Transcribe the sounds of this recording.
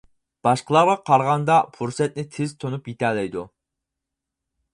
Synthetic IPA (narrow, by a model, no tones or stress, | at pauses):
b̥ɑʃqəlˠɑɾʁɑqʰɑɾʁɑnd̪ɑpʰuɾsɛt̪̚nɪt̪ʰɪzt̪ʰonupjit̪ʰɛlɛjd̪u